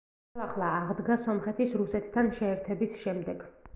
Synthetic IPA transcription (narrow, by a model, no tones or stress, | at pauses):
aχlˠaːʁd̪ɡasɔmχɛt̪ʰisɾusɛt̪ʰt̪ʰːanʃɛːɾt̪ʰɛbisʃɛmd̪ɛɡ